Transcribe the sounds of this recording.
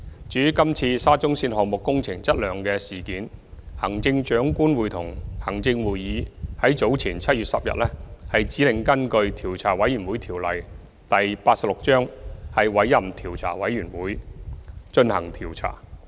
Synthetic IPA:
t͡ʃyː˨˥kɐ˥mt͡sʰiː˧saː˥t͡sʊ˥ŋsiː˧nhɔː˨mʊ˨kːʊ˥ŋt͡sʰɪ˨˩ŋt͡sɐ˥t̚lœː˨ŋkɛː˧siː˨kiː˨˥nhɐ˨˩ŋt͡sɪ˧ŋt͡ʃœː˨˥ŋkuː˥nwuː˨˧jt̪ʰʊ˨˩ŋhɐ˨˩ŋt͡sɪ˧ŋwuː˨jiː˨˧hɐ˨˥jt͡so˨˥wt͡sʰiː˨˩nt͡sʰɐ˥t̚yː˨t̚sɐ˨p̚jɐ̰˨t̚lɛː˥hɐ˨jt͡siː˨˥lɪ˨ŋkɐ˥nkɵ˧ɥt̪ʰiː˨˩wt͡sʰaː˨˩wɐ˨˥jyː˨˩nwuː˨˥jt̪ʰiː˨˩wlɐ˨j | t̪ɐ˨jpaː˧t̚sɐ˨p̚lʊ˨k̚t͡ʃœː˥ŋhɐ˨jwɐ˨˥jːɐ˨mt̪ʰiː˨˩wt͡sʰa̰ː˨˩wɐ˨˥jːyː˨˩nwuː˨˥j | t͡ʃɵ˧nhɐ˨˩ŋt̪ʰiː˨˩wt͡sʰa̰ː˨˩

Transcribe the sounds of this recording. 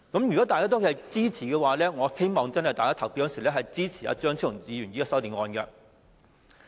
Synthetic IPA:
kɐ˨˦˥mjy˨kɔː˨˥t̪aː˨jkaː˥t̪̬ɔ˥kːɐ˨t͡siː˥t͡sʰiː˨˩kɛː˧waː˨lɛː˥ŋɔː˨˧he˥jmɔː˨ŋt͡sɐ˥nhɐ˨jt̪aː˨jkaː˥t̪ʰɐ˨˩wpiː˧t̚jɔː˧˥nsi˨˩lɛː˥ɦɐ˨jt͡siː˥t͡sʰiː˨˩a̰˧˥t͡ʃœː˥ŋt͡sʰŋiː˨˧jyː˨˩njiː˨˥ɛ˧sɐ˥wt̪iː˨nŋɔː˧nkɛ˧

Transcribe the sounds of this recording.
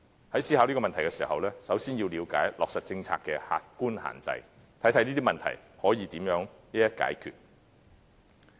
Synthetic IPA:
hɐ˨˥jsiː˥haː˨˧wliː˥kɔː˧mɐ˨nt̪ʰjkɛ˧siː˨˩ɦɐ˨wlɛː˥sɐ˨˥wsiː˥njiː˧wliː˨˧wka̰ː˨˥jlɔː˨k̚sɐ˨t̚t͡sɪ˧ŋt͡sʰa̰ː˧kːɛː˧ha̰ː˧t̚kuː˥nha̰ː˨˩nt͡sɐ̰˧j | t̪ʰɐ˨˥jt̪ʰniː˥t̪i˥mɐ˨nt̪ʰɐ̰˨˩jhɔː˨˥jiː˨˧t̪iː˨˥mjœː˨˥ŋli˦˥jɐ˥t̚ka̰ː˨˥jkʰy̰˨t̚

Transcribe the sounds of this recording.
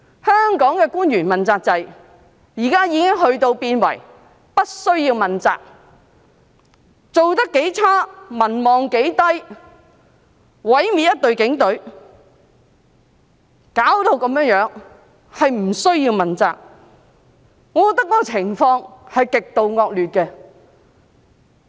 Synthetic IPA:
hœː˥ŋkɔː˨˥ŋkɛː˧kuː˥njyː˨˩nmɐ˨nt͡saː˧k̚t͡sɐ˨˧j | jiː˨˩kaː˥jiː˨˧kɪ˥ŋɦɵ˧ɥt̪o˧wpiː˧nwɐ̰˨˩j | pɐ˥t̚sɵ˥ɥjiː˧wmɐ˨nt͡sa̰ː˧k̚ | t͡so˨wt̪ɐ˥kːe˨˥jt͡sʰaː˥mɐ˨˩nmɔː˨ŋke˨˥jt̪ɐ˥j | wɐ˨˥jmiː˨˧t̚jɐ˥t̚t̪ɵ˨˧ɥkɪ˨˥ŋt̪ɵ˨˥ɥ | kaː˨˥wt̪o˧wkɐ˨˧mjœː˧˥ŋjœː˨˥ŋ | hɐ˨jm̩˨˩sɵ˥ɥjiː˧wmɐ˨nt͡sa̰ː˨k̚ | ŋːɔː˨˧kɔː˧kt̪ɐ˥kːɔː˦˥kɔː˧t͡sʰɪ˨˩ŋfɔː˧ŋhɐ˨jkɪ˨k̚t̪o˧wŋɔː˧k̚lyː˨t̚kɛ˧

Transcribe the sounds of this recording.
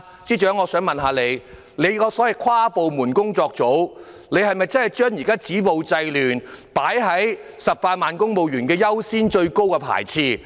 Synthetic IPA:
t͡siː˥t͡ʃœː˨˥ŋɔː˨˧sœː˨˥ŋmɐ˨˩nɦaː˨˧˥le˨˧j | le˨˧jkɔː˨˧sɔː˨˥jɐ˨jkʰwaː˥po˨wmuː˨˩nkʊ˥ŋt͡sɔː˧k̚t͡so˨˥w | ne˨˧jhɐ˨jmɐ˨jt͡sɐ˥nhɐ˨˩jt͡ʃœː˥ŋji˨˩kaː˥t͡siː˨˥po˨wt͡sɐ˧jlyː˨˩npaː˨˥jɦɐ˨˥jsɐ˨p̚paː˧t̚maː˨nkʊ˥ŋmo˨wjyː˨˩nkɛː˧jɐ˥wsiː˥nt͡ʃɵ˧ɥko˥wkɛː˧pʰa̰ː˨˩jt͡sʰiː˧˩

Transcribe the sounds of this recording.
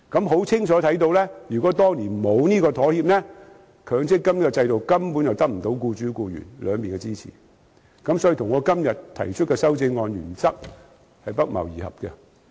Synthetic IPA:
kɐ˨˥mɦo˨˥wt͡sʰɪ˥ŋt͡ʃʰɔː˨˥t̪ʰɐ˨˥jt̪o˧wlɛ˥jyː˨˩kɔː˨˥t̪ɔː˥ŋliː˨˩nmo˨˧wniː˥kɔː˧t̪ʰɔː˨˥hiː˧p̚nɛ˥ | kʰœː˨˥ŋt͡sɪ˥kːɐ˥mn˥kɔ˧t͡sɐ˧jt̪o˨wkɐ˥mpuː˨˥njɐ˨wt̪ɐ˥k̚m̩˨˩t̪o˨˥wkuː˧t͡ʃyː˨˥kuː˧jy̰ː˨˩nlœ̰ː˨˧ŋpiː˨nkɛ˧t͡siː˥t͡sʰḭː˨˩ | kɐ˨˥msɔ˨˥jiː˨˧t̪ʰʊ˨˩ŋːɔː˨˧kɐ˥mjɐ˨t̪ʰɐ̰˨˩jt͡ʃʰɵ˥t̚kɛː˧sɐ˥wt͡sɪ˧ŋːɔː˧njyː˨˩nt͡sɐ˥k̚ | hɐ˨jpɐ˥k̚mɐ̰˨˩wjiː˨˩hɐ̰˨p̚kɛ˧

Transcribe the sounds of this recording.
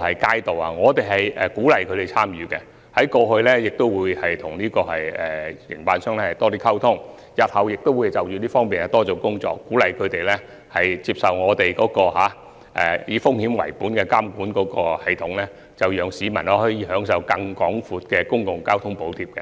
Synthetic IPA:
hɐ˨jkaː˥jt̪o˨wa˨ŋɔː˨˧t̪e˨˩jɦɐ˨jɛ˨˩kuː˨˥lɐ˨jkʰɵ˨˧t̪e˨jt͡sʰaː˥mjyː˨˧kɛ˧ | hɐ˨˥jkɔː˧hɵ˧ɥlɛː˥jɪ˨k̚t̪o˥wːuː˨˧jhɐ˨jt̪ʰʊ˨˩ŋliː˥kɔː˧hɐ˨jɛː˨jɪ̰˨˩ŋpaː˨˧nsœː˥ŋlɛ˥hɐ˨˩jt̪ɔː˥t̪iː˥kʰɐ˥wt̪ʰʊ˥ŋ | jɐ˨t̚hɐ˨wjɪ˨k̚t̪o˥wuː˨˧jt͡sɐ˨wjyː˨˧liː˥fɔː˥ŋmpi˨nɐ˨˩t̪ɔː˥t͡so˨˧wkʊ˥ŋt͡sɔ̰ː˧˨kːuː˨˥lɐ˨jkʰɵ˨˧ɥt̪e˨jlɛ˥ | hɐ˨jt͡siː˧p̚sɐ˨wŋɔː˨˧t̪e˨jkɔː˨˧˥kɔː˧ɦaː˨˥ | ʔɛ̰ː˨jiː˨˧fʊ˥ŋhiː˨˥mwɐ̰˨˩jpuː˨˥nkɛ˧kaː˥mkuː˨˥nkɔː˨˥kɔː˧hɐ˨jt̪ʰʊ˨˥ŋlɛː˥ | t͡sɐ˨wjœː˨ŋsiː˨˧mɐ˨˩nɐ˧hɔː˨˥jiː˨˧hœː˨˥ŋs̬ɐ˨˧wkɐ˧ŋkɔː˨˥ŋfuː˨˧t̚kɛː˧kʊ˥ŋkʊ˨ŋkaː˥wt̪ʰʊ˥ŋpo˨˥wt̪ʰiː˧p̚kɛ̰˧

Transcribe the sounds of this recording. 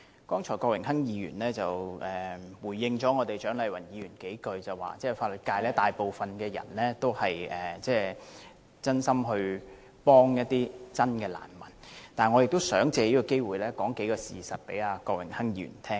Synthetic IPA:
kɔː˥ŋt͡ʃʰɔː˨˩jkɔː˧kwɪ˨˩ŋɦɐ˥ŋjiː˨˧ɥy̰ː˨˩nlɛː˥t͡sɐ˨wɛː˨wuː˨˩jːɪ˧ŋt͡ʃɔː˨˥ŋɔː˨˧t̪e˨jt͡ʃœː˨˥ŋlɐ˨˧jwɐ˨˩njiː˨˧ɥyː˨˩nke˨˥jkɵ˧ɥt͡sɐ˨wa̰ː˨t͡sɛː˥˩faː˧t̚lɵ˨˩t̚kaː˧jlɛː˥t̪aː˨jpo˨wfɐ˨nkɛː˧jɐ̰˨˩nlɛː˥t̪o˥whɐ˨jɛː˨t͡sɛː˥˩ | t͡sɐ˥nsɐ˥mɦɵ˧ɥ | pɔː˥ŋjɐ˥t̚t̪iː˥t͡sɐ˥nkɛː˧la̰ː˨˩nmɐ˨˩nt̪aː˨nŋɔ˨˧jɪ˨k̚t̪o˥wsœː˨˥ŋt͡sɛː˧jiː˥kɔː˧ke˥jwuː˨˩jlɛː˥kɔː˨˥ŋke˨˥jkɔː˧sḭː˨˩sɐ˨t̚pe˨˥jaː˧kɔː˧k̚wɪ˨˩ŋhɐ˥ŋjiː˧ɥy̰˨˩nt̪ʰɛː˥ŋ

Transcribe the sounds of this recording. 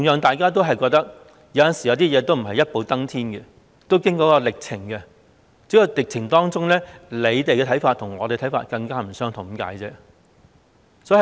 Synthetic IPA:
ʊ˨˩ŋjœː˨˧ŋt̪aː˨jkaː˥t̪̬o˥wɦɐ˨jkɔː˧k̚t̪ɐ˥k̚ | jɐ˨˥wjɐ˨nsi˨˩jɐ˨˧wt̪i˥jɛː˨˧t̪o˥wm̩˨˩ɦɐ˨jɐ˥t̚po˨˧wt̪ɐ˥ŋt̪ʰiː˥nkɛ˧ | t̪o˥wkɪ˥ŋkɔː˨˧˥kɔː˧lɪ˨k̚t͡sʰɪ˨˩ŋkɛ˧ | t͡si˨˥jɐ˨˧lɪ˨k̚t͡sʰɪ˨˩ŋt̪ɔː˥ŋt͡sʊ˥ŋlɛː˥le˨˧jt̪e˨jkɛ˧˨˥jfaː˧t̪̚ʰʊ˨˩ŋɔː˨˧te˨˧t̪ʰjfa̰ː˧t̚kɐ˧ŋkaː˥m̩˨˩sœː˥ŋt̪ʰʊ˨˩ŋka̰ː˨˥jt͡sɛː˥ | sɔː˨˥i˨

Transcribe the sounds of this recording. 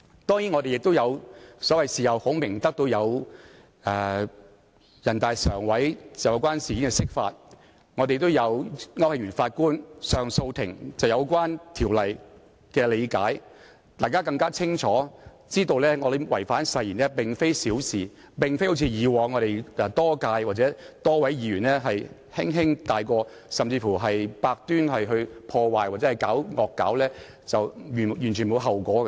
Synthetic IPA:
t̪ɔː˥ŋjiː˨˥nŋɔː˨˧ɾe˨jɪ˨k̚t̪o˥wjɐ˨˧wsɔː˨˥wɐ˨jsiː˨˩hɐ˨˧who˨˥wmɪ˨˩ŋt̪ɐ˥k̚t̪o˧wjɐ˨˧w | ɛː˨ | jɐ˨˩nt̪aː˨˧jsœ̰ː˨˩ŋwɐ˨˥jt͡sjjɐ˨˧wkʷaː˥nsiː˨ki˨˥ŋkɛ˧sɪ˥k̚fa̰ː˧t̚ | ŋɔː˧te˨jt̪̬ːo˥wjɐ˨˧wŋɐ˥whɐ˨˧ŋjɥyː˨˩nfaː˧t̚kuː˥nsœː˨ŋso˧wt̪ʰɪ˨˩ŋt͡sɐ˨wjɐ˨˧wkʷwaː˥nt̪ʰiː˨˩wlɐ˨j | kɛː˧le˨˧jka̰ː˨˥j | t̪aː˨˩jkaː˥kɐ˧ŋkaː˥t͡sʰɪ˥ŋt͡ʃʰɔː˨˥ | t͡siː˥t̪o˧wlɛː˥ŋɔː˨˧de˨˩wɐ˨˩jfaː˨˥nsɐ˨˧jjiː˨˩nɛː˥pɪ˨ŋfe˥jsiː˨˥wsiː˨˩ | pɪ˨˩ŋfe˥ho˨˥wt͡sʰiː˧jiː˨˧wɔː˨˧ŋɔː˨˧ɾe˨jɛ˨˩t̪ɔː˥kaː˧jwaː˨t͡sɛ˨˥t̪ɔː˥wɐ˨˥jjiː˨˧ɥyː˨˩nlɛː˥ɦɐ˨j | hɪ˥ŋɦɪ˥ŋt̪aː˨jkɔː˧ | sɐ˨mt͡siː˧fuː˨˩ɦɐ˨jpaː˧k̚t̪yː˥nhɐ˨jɦɵ˧ɥpʰɔː˧waː˨jwaː˨t̚t͡sɛː˨˦˥ɐ˨jkaː˨˥wŋɔː˨kːaː˨˥wlɛː˥ | t͡sɐ˨wjːjy˨˩nt͡ʃʰyː˨˩nmo˨˧wɦɐ˨wkʷɔː˨˥

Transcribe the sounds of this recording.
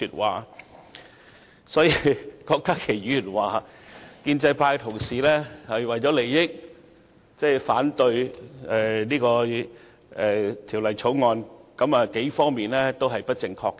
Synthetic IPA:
yː˨t̚wa̰ː˨ | sɔː˨˥jiː˧kɔː˧k̚t̪ɐ˥kʰːe˨˩jjyː˨˩nwaː˨˩kiː˧nt͡sɐ˧jpʰaː˧jkt̪ʰʊ˨˩ŋsiː˨lɛː˥hɐ˨jwɐ˨jt͡ʃɔ˨˥le˨˩jjɪ˥k̚ | t͡sɛ˥faː˨˥nt̪ɵ˧ɥɛ˨niː˥kɔː˧ | ɛː˨˩t̪ʰi˨˩wlɐ˨˩jt͡sʰo˨˥wŋɔː˧nkɐ˨˥maː˨ke˨˥jfɔː˥ŋmiː˨nlɛː˥t̪o˥wɦɐ˨jpɐ˥t̚t͡sɪ˧ŋkʰɔː˧kːɛ˧

